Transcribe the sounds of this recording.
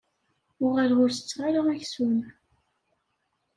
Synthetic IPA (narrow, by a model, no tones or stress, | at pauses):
ʊʁalʁʊɾsə̥t͡sːʁaɾəʁæçsun